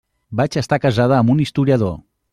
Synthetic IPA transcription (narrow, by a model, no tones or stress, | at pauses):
bat͡ʃəst̪akəzað̞əːmunist̪uɾiəðo̰